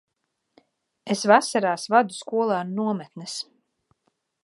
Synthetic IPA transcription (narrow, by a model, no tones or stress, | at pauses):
esvasaɾaːsvad̪uskuɔlˠaːnnuɔmɛt̪nɛs